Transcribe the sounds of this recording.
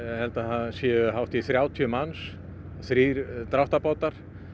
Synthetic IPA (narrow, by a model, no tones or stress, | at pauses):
hɛlt̪aθansjɛɦawht̪iθɾjaːwt̪ʰiœmans | θɾiːɾt̪ɾawht̪apaːwt̪aɾ̥